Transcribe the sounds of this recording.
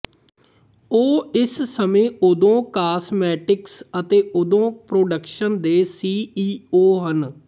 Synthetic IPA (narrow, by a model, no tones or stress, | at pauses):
oːɪssəmẽːʊd̪õːkaːsmɛːʈɪksət̪eːʔʊd̪õːpɾoːɖəkʃənd̪eːsiːiːoːɦən